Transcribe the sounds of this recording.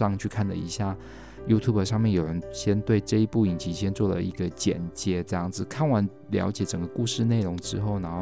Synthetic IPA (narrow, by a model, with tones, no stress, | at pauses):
ɑ˥˧ŋt͡ɕʰy˥˧kʰa˥˩nd̪ə̰˨˩ḭ˧˥ɕja˥˩ | ju˥t̪ʰju˥˩bə˨˩ʂɑ˥˧ŋmjɛ˥˩njo˨˩ʊɻə˧˦nɕjɛ˥nt̪we˥˧ɪʈ͡ʂɤ˥˧i˧˥pu˥˩i˨˩ŋt͡ɕi˧˥ɕ̬jɛ˥nt͡swɔ˥˩d̪ə̰˩i˧˥ɡə˧t͡ɕjɛ̰˨˩nt͡ɕjɛ˧˥ʈ͡ʂɤ˥˧jɑ˥˩ŋd͡zɹ̩˨˩kʰa˥˩nwa˧˥n | ljɑ̰˧˥ʊt͡ɕjɛ˨˩ʈ͡ʂə˨˩ŋɡə˦ku˥˧ʂɻ̩˥˧ne˥˩ɪɻʊ˧˥ŋʈ͡ʂɻ̩˥xo˥˩ʊna˧˦˥